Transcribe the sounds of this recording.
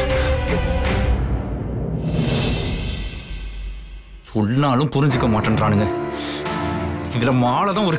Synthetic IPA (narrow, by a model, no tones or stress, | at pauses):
sɔɭnaːlɯ̃mpʊɾɪɲd͡ʒɯkːɐmaːʈːɐnɾaːnɯŋɡɐ | ɪðɪlɐmaːɭɐðãːɔɾɯ